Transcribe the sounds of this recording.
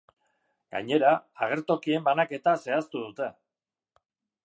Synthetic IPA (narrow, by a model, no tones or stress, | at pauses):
ɡ̥a̰ɲe̞ɾaːɣ̞e̞ɾt̪o̞kie̞mbanake̞t̪ase̞ast̪uðut̪e̞